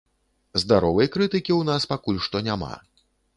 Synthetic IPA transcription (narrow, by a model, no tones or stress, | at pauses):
zd̪aɾɔvɐjkɾɨt̪ɨkʲiwnaspakulʲʂt̪ɔnʲama̰